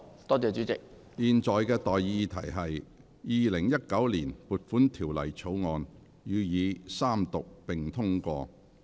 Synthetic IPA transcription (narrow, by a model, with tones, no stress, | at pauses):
t̪ɔː˥t͡sɛː˨˧t͡ʃyː˨˥t͡sɪ˨k̚ | jiː˨nt͡sɔː˨˩jkɛː˧t̪ɔː˨ji˧t̪ʰɐ˨˩jɦɐ˨j | jiː˨˧lɪ˨˩ŋjɐ˥t̚kɐ˨˥wliː˨˩npuː˨t̚fuː˨˥nt̪ʰiː˨˩wlɐ˨˩jt͡sʰo˨˥wŋɔː˧n | jyː˨˧jiː˨˧saː˥mt̪ʊ˨k̚pɪ˨ŋt̪ʰʊ˥ŋkʷɔː˧